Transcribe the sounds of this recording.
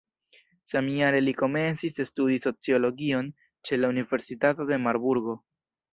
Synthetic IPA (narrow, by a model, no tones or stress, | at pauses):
samiaɾe̞liko̞me̞nsisestudiso̞t͡sio̞lo̞ɡio̞n | t͡ʃe̞launive̞ɾsitato̞de̞maɾbuɾɡo̞